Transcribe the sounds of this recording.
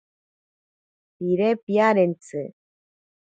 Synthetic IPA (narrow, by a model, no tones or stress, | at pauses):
piɾepjaɾent͡sɨ